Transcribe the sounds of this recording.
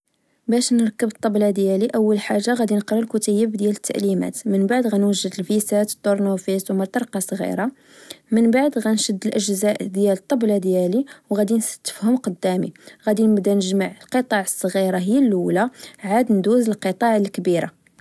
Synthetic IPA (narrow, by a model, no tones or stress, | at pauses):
bæʃnəɾkːəbət̪ˤːɑblɑd̪jæliʔəwːəlħaʒːaɣæd̪inəqɾˤɑlkut̪æjːəbd̪jælət̪ʰːa̰ʔlimæ̰t̪mənbaʕd̪ɣænwəʒːəd̪əlfisæt̪ə̥t̪ːoɾnufiswmət̪ˤɑɾˤqɑsˤɣḭɾɑ | mənbaʕd̪ɣænʃəd̪ːəlʔəʒzæʔd̪jælət̪ˤːɑblɑd̪jæliwɣæd̪insə̥t̪ːə̥fhʊmqɑd̪ːæmḭɣæd̪inəbd̪ænəʒmaʕəlqət̪ˤɑʕəsˤːɣiɾɑɦəjːælːulaʕad̪nd̪uzəlqət̪ˤɑʕəlkbiɾa̰